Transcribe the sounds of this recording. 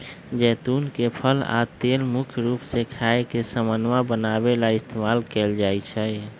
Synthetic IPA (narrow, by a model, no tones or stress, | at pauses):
d͡ʒɛːt̪unkepʰəla̰t̪elmʊkʰjɾupsekʰaekesəmənʋabənabelaɪst̪ʰemalkeld͡ʒajt͡ʃʰɛ